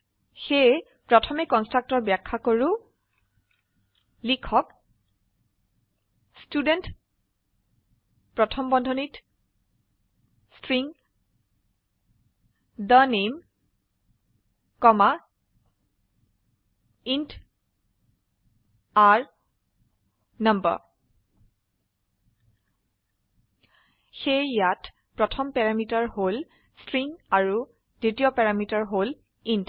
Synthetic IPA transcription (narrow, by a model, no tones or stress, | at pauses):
xe | pɹɔtʰɔmɛkɔnstɹak̚tɔɹbjakʰːakoɹu | likʰɔk | student | pɹɔtʰɔmbɔndʱɔnit | stɹiŋ | d̪ənem | kɔma | int | kaɹ | nʌmbə̰ | xejjat | pɹɔtʰɔmpɛɹamitaɹɦol | stɹiŋaɹu | d̥ɹitiɔpɛɹamitaɹɦol | int